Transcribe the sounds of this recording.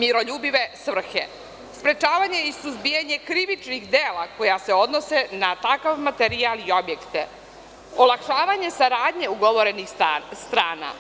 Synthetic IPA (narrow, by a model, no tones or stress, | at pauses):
miɾo̞ʎuːbiʋe̞svr̩xḛ | spɾe̞t͡ʃaːʋaɲe̞isuzbijaɲe̞kɾiʋit͡ʃnixd̪eːlako̞jase̞o̞d̪no̞se̞nat̪akaʋmat̪eɾialio̞bje̞kt̪e | olakʃaːʋaɲe̞saɾaːd̪ɲe̞uɡoʋo̞ɾe̞nixst̪ɾaːna̰